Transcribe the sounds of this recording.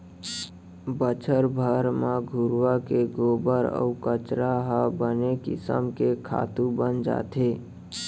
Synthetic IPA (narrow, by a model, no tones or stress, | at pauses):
bət͡ʃʰəɾbʱəɾmaɡʱuɾʋakeɡobəɾə̰ukət͡ʃɾaɦəbənekḭsə̰mkekʰa̰t̪ubənd͡ʒa̰t̪ʰe